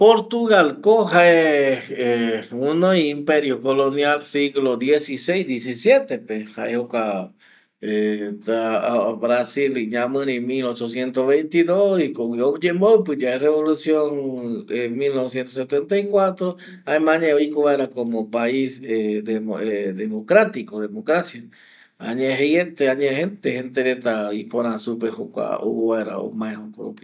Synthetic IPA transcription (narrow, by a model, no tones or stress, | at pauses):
poɾt̪uɣalkohaeeunoiimpeɾjokolonjalsiɣlod̪jesisejsd̪jes̬isjet̪epeha̰ehoka | eaβɾasiliɲãmɨ̃ɾĩmilot͡ʃosjent̪ozβejnt̪iðosikowiod͡ʒembowp̬ɨd͡ʒaereβolusjoŋemilnoβes̬jent̪oset̪ent̪ajkwat̪ɾo | aemãɲãoikoβaeɾakomõpaised̪eoeðemokɾat̪ikoðemokɾasja | a̰ɲẽɦjent̪eaɲẽhent̪ehent̪eɾet̪aipoɾãsupehokʷa̰o̰βaeɾa̰o̰mãẽokɾopj